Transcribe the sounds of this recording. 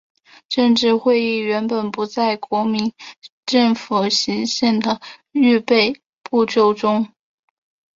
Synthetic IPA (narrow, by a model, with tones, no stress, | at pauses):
ʈ͡ʂə˥˧ŋʈ͡ʂɻ̩˥˧xwe˥˧ɪi˥˩ɥɛ˧˥npə˨˩npu˧˥t͡sa˥˩ɪkwɔ˧˥mi˧˥nʈ͡ʂɤ˥˩ŋfu˨˩ɕi˧˥ŋɕjɛ˥˩nd̪ə˩y˥˧pe˥˧ɪ | pu˥˧ʈ͡ʂjo˥˧ʊʈ͡ʂʊ˥ŋ